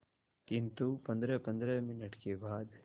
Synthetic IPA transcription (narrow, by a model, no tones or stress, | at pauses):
kɪnt̪upɐ̃nd̪ɾɛpɐ̃nd̪ɾɛmɪnəʈkebaːd̪